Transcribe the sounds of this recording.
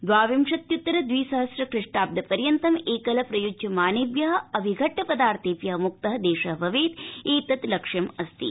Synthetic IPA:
d̪ʋaːʋimʂɐt̪jut̪ːɐɾɐd̪ʋiːsɐɦɐsɾɐkɾɪʂʈaːp̚d̪ʱɐpɐɾjɐnt̪ɐmeːkɐlɐpɾɐjud͡ʒjɐmaːnɐʋjɐɦɐ̆ɐbʱiɡʱɐʈːɐpɐd̪aːɾt̪ʰeːpjɐɦɐmuk̚t̪ɐɦɐd̪eːʃɐɦʋʱɐʋeːt̪eːt̪ɐt̪lɐkʂɐmɐst̪ḭ

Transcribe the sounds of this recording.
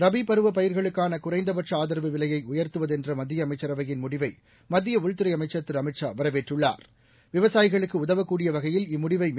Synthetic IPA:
ɾɐbipɐɾɯʋɐpɐjɪɾɣɐɭɯkːaːnɐkʊrɐɪnd̪ɐpɐʈrɐaːðɐɾɐʋɯʋɪlɐjɐɪʊjɐɾt̪ɯʋɐðɛndrɐmɐd̪ːɪjɐːmɐɪt͡ʃːɐɾɐʋɐjɪnmʊɽɪʋɐɪ | mɐðːɪjɐʊɻt̪ɯɾɐɪɐmɐɪt͡ʃːɐt̪ːɯɾɐmɪʈt͡ʃaːʋɐɾɐʋeːʈrɯɭːa̰ːɾ | ʋɪʋɐsaːjɪɣɐɭɯkːɯʊðɐʋɐkːuːɽɪjɐʋɐɣɐjɪlɪmːʊɽɪʋɐɪ

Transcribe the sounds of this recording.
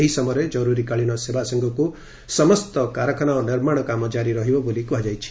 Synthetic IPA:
eɦisɔmɔɾed͡ʒɔɾuɾikaɭiñɔsebasɔŋɡɔku | sɔmɔst̪ɔkaɾɔkʰɔñaoniɾmaɽ̃ɔkamɔd͡ʒaɾiɾɔɦibɔbolikuad͡ʒajt͡ʃʰi̥

